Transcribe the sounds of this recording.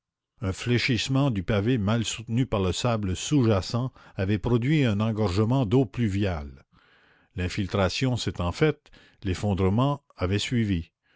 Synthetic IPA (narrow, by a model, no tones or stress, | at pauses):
œ̃fleʃismɑ̃d̪ypavemalsut̪nypaʁləsabləsuʒasɑ̃avɛpɾɔd̪ɥiɛ̃nɑ̃ɡɔʁʒəmɑ̃d̪oplyvjal | lɛ̃filt̪ɾasjɔ̃sɛt̪ɑ̃fɛt̪ | lefɔ̃d̪ɾəmɑ̃ | avɛsɥivi